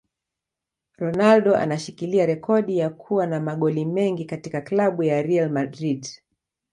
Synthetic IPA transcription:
ɾɔnalɗɔʔa̰naʃikiliaɾɛkɔɗijakʰuwanamaɠɔlimɛŋɡikatikaklaɓujaɾialmadɾid

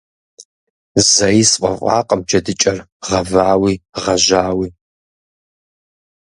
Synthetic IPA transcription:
zɐjisqʷʼɐ̰fʷʼɑ̰ːqʼɐmd͡ʒɐdɨt͡ʃʼɐr | ʁɐvaːwiːʁɐʒaːwiː

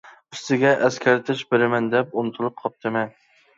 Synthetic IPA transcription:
yst̪ɪɡʲɛʔɛskʲʰæɾt̪ʰɪʃbeɾɪmɛnd̪ɛpunt̪ʰuɾˠɨp̚qʰɑp̚t̪ʰɨmɛn

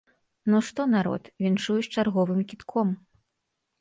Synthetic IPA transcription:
nuʂt̪ɔnaɾɔ̰t̪vʲinʂujut͡ɕʲt͡ʂarɣɔvɨmkʲit̪kʰɔm

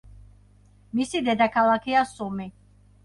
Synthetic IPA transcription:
misid̪ɛd̪akʰalakʰiasumi

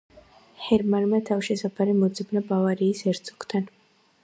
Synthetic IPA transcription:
hɛɾmanmat̪ʰavʃɛsapʰaɾimɔd̪zɛbnabavaɾiːsɛɾt̪sʰʼɔkt̪ʰan

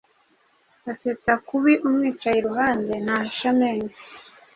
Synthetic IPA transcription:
ɡaset͡sakuβiʔumŋiːt͡ʃajiɾuɦaːndenaʃamen

